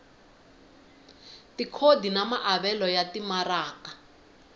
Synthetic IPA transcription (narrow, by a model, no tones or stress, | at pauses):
tikʰodinamaʔaβɛlɔjatimaraːka